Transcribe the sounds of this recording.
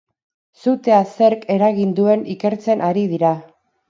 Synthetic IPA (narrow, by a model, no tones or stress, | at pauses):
sut̪e̞ase̞ɾke̞ɾaɣind̪ue̞nike̞ɾt͡se̞nʔaɾið̞iɾa